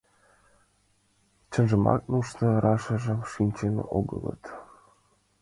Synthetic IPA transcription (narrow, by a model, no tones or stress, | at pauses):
t͡ɕə̆nʒə̆mɑ̰knuʃt̪ɤ̆ɾɑʃɤ̆ʒɤ̆mʃinʲt͡ɕenʔoɡɤ̰̆lˠɤ̰t̪